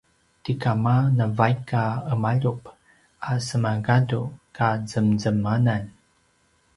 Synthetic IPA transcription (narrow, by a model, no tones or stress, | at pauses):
tikamanavajkaəmaʎup | asəmaɡadukazəmzəmanan